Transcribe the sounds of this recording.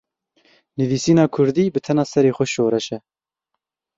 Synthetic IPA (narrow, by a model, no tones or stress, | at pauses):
nɨviːsiːnɑːkʰʊɾd̪iːbɨt̪ʰɛnɑːsɛɾeːxɛʃoːɾɛʃɛ